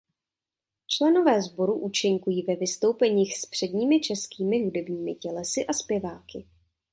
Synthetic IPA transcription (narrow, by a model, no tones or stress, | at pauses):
t͡ʃlɛno̞vɛːzbo̞ɾuʔut͡ʃɪŋkujiːvɛvɪst̪o̞wpɛɲiːxspr̝̥ɛdɲiːmɪt͡ʃɛskiːmɪɦudɛbɲiːmɪcɛlɛsɪʔaspjɛvaːkɪ